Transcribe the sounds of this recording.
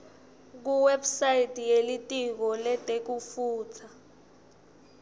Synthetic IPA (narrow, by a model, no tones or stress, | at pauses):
k̬uwɛbsajitʼijelitʼik̬ɔlɛtʼek̬ufuːt͡sʰa